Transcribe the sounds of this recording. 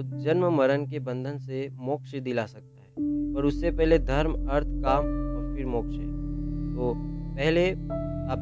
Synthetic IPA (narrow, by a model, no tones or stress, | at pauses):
d͡ʒɐnməmɐɾənkebə̃nd̪ʱənsemɔːkʃd̪ɪlasɐk̚t̪aɦɛːpɐɾʊsːepɛɦled̪ʱɐɾmɐɾt̪ʰkaːmɔːɾfɪɾmɔːkʃɦɛːt̪oːpɛɦleaːp